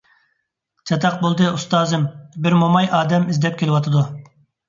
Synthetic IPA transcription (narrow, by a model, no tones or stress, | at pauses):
t͡ʃʰɑt̪ʰɑq̚bolˠd̪ɨust̪ɑːzɨmbɪɾmomɑjɑːd̪ɛmizd̪ɛp̚kʲʰelɪwɑt̪ʰɨd̪u